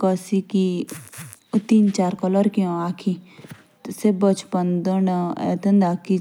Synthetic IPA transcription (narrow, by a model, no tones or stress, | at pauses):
kəsiki | t̪int͡ʃaːɾkɔləɾkiõaːkʰi | t̪sebət͡ʃpənd̪ənəɛ̰t̪ənd̪aːki